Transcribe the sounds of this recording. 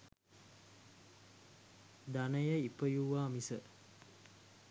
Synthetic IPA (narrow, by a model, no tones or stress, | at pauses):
d̪anəjəipəjuʋaːmisə